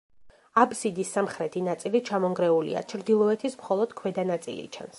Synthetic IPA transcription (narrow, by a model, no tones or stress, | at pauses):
absid̪isːamχɾɛt̪ʰinat̪sʼilit͡ʃʰamɔŋɡɾɛulḭa̰t͡ʃʰɾd̪ilˠɔɛt̪ʰismχɔlˠɔd̪̥kʰwɛd̪anat̪sʼḭlḭt͡ʃʰa̰ns